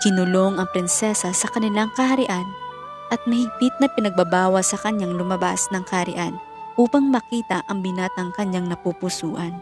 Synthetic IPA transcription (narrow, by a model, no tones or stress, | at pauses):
kɪnʊlo̞ŋɐŋpɾɪnsɛsɐsɐkɐnɪlaŋkɐhɐɾɪʔan | ʔɐt̪̚mɐhɪɡ̚pɪt̪̚nɐpɪnɐɡ̚bɐbaːwɐsɐkɐɲaŋlʊmɐbasnɐŋkɐhɐɾɪ̰ʔan | ʔuːpɐŋmɐkiːt̪ɐʔɐŋbɪnaːt̪ɐŋkɐɲːaŋnɐpupʊsuːʔɐn